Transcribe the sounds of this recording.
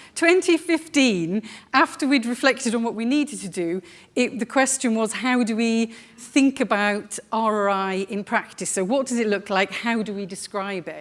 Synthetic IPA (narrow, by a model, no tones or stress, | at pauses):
tʰw̥ɛ̃ntʰifɪftĩnaftəwidɹɪflɛk̚tɪdn̩wɒʔwiniːdtʰədə | ɪʔðəkʰw̥ɛst͡ʃə̃nwɒz̥ɦaʊdəwi | θɪ̃ŋkəbaʊtaɹəɹaɪɪ̃npʰɹ̥ak̚tɪsoʊwɒʔ̚d̥ʌzɪʔlʊklaɪkhaʊdəwidɪskɹaɪbɪʔ